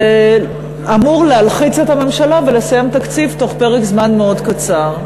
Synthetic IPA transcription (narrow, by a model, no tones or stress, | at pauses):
amuʁlealχit͡set̪hame̞mʃalave̞lesajemt̪akt͡sivt̪o̞χpe̞ʁekzmanmeo̞dkat͡saʁ